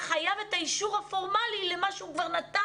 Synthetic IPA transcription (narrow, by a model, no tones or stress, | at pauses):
χajavetaiʃuʁhafo̞ʁmalilemaʃukvaʁnat̪a